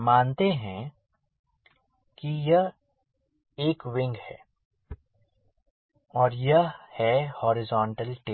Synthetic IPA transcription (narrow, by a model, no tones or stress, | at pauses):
maːnt̪eɦɛ̃ | kijɐɦ | eːkʋɪ̃ŋɡhɛ̰ː | ɔːɾjɐɦhɛhɔːɾɪzɔːɳʈəlʈe